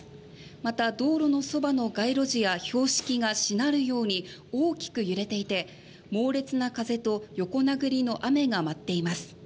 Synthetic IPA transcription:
mat̪ad̪o̞ːɾo̞no̞so̞bano̞ɡaiɾo̞ʑijaço̞ːɕi̥kʲiɡaɕinaɾɯ̟jo̞ːɲ̟ioːkʲi̥kɯ̟jɯ̟ɾe̞t̪e̞it̪e̞ | mo̞ːɾe̞t͡sɨnakaze̞t̪o̞jo̞ko̞naɡɯ̟ɾʲino̞ʔame̞ɡamat̪ːe̞imasɨ̥

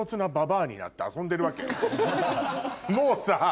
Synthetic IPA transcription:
ot͡sɨnababaːɲ̟ḭna̰t̪ːe̞asõnd̪e̞ɾɯ̟βake | mo̞ːsa

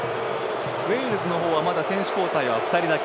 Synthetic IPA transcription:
βeiɾɯzɨno̞ɦo̞ːβamad̪asẽ̞ɰ̃ɕi̥ko̞ːt̪aiβaɸɯ̟̥t̪aɾʲid̪ak

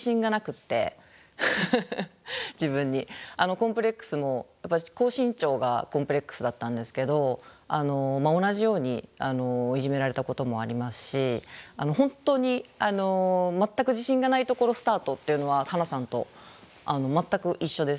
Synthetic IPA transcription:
ɕĩŋɡanakɯ̟t̪ːe̞̰ | d͡ʑibɯ̟̃ɲ̟ːiano̞kõ̞mpɯ̟ɾʲe̞kːɯ̥sɨmo̞japːaiko̞ːɕĩɲt͡ɕo̞ːɡa̰kõmpɯ̟ɾʲe̞kːɯ̥sɨd̪at̪ːãnd̪e̞sɨ̥ke̞d̪o̞ano̞mao̞naʑijo̞ːɲ̟ḭano̞ːiʑime̞ɾaɾe̞t̪ako̞t̪o̞mo̞a̰ɾʲimasɨ̥ɕiano̞ɦõ̞nt̪o̞ɲ̟iano̞mat̪ːakɯ̟ʑiɕĩŋɡanait̪o̞ko̞ɾo̞sɨ̥t̪aːt̪o̞t̪ːe̞iɯ̟no̞βat̪anasãnt̪o̞̰ | ano̞mat̪ːakɯ̟ʔiɕːo̞d̪e̞s

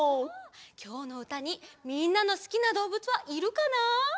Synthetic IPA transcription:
kʲo̞ːno̞ɯ̟t̪aɲ̟imʲĩnːano̞sɨ̥kʲinad̪o̞ːbɯ̟t͡sɨβaʔiɾɯ̟kana

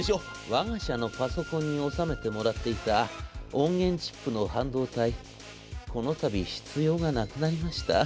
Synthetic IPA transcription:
ɕo | βaɡaɕano̞paso̞kõ̞ɲ̟ːio̞same̞t̪e̞mo̞ɾat̪ːe̞it̪aõ̞ŋɡẽ̞ɲ̟t͡ɕi̥pːɯ̟no̞hãnd̪o̞ːt̪ai | ko̞no̞t̪abʲiɕi̥t͡sɨjo̞ːɡanakɯ̟naɾʲimaɕi̥t̪a

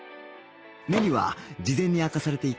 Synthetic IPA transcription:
me̞ɲ̟iβa̰d͡ʑizẽ̞ɲ̟ːiakasaɾe̞t̪e̞ik

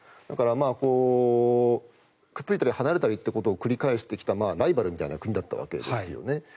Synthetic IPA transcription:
d̪akaɾamaːko̞ː | kɯ̟̥t͡sɨit̪aɾʲihanaɾe̞t̪aɾʲit̪ːe̞ko̞t̪o̞ːkɯ̟ɾʲikaeɕi̥t̪e̞kʲi̥t̪amaːɾaibaɾɯ̟mʲit̪a̰inakɯ̟ɲ̟id̪at̪ːa̰βa̰ke̞̰d̪esɨjo̞̰ne̞

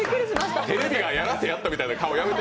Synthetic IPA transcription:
kɯɾiat̪e̞ɾe̞bʲiɡajaɾasejat̪ːamʲit̪ainakaojamet̪

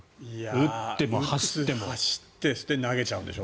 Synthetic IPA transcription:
iaɯt̪ːemohaɕi̥ːemoaɕi̥t̪ːesɨ̥t̪enaɡe̞t͡ɕaɯ̃nd̪eɕo

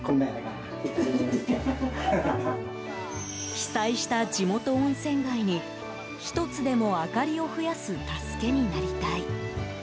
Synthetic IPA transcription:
konːenea | çi̥saiɕi̥t̪ad͡ʑimo̞t̪o̞õɰ̃sẽ̞ŋɡaiɲ̟i | çi̥t̪o̞t͡sɨd̪e̞mo̞akaɾʲio̞ɸɯ̟jasɨt̪asɨ̥ke̞ɲ̟inaɾʲit̪ai

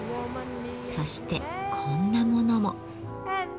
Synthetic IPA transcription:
so̞ɕi̥t̪e̞kʰõ̞nːamo̞no̞mo̞

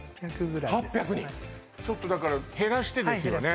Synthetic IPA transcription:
pakɯɡɯ̟ɾahapʲːjakɯ̟ɲĩ | t͡ɕo̞t̪ːo̞d̪akaɾahe̞ɾaɕi̥t̪e̞desɨjone̞

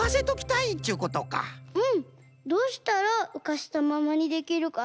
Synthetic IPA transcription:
ase̞t̪o̞kʲi̥t̪ait̪ːeiɯ̟ko̞t̪o̞ka̰ɯ̟̃ɴ | d̪o̞ːɕi̥t̪aɾaɯ̟kaɕi̥t̪amamaɲ̟id̪e̞kʲiɾɯ̟ka

